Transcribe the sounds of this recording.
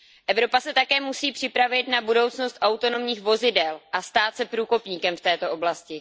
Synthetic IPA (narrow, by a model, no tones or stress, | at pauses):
ʔɛvɾo̞pasɛt̪akɛːmusiːpr̝̥ɪpɾavɪt̪nabudo̞wt͡sno̞st̪ʔawt̪o̞no̞mɲiːxvo̞zɪdɛlʔast̪aːt̪sɛpɾuːko̞pɲiːkɛmft̪ɛːt̪o̞ʔo̞blascɪ